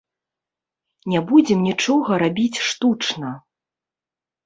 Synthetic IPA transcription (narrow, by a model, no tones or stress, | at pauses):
nʲɛbud͡zʲɛmnʲit͡ʂɔɣɐɾabʲit͡sʲʂt̪ut͡ʂnɐ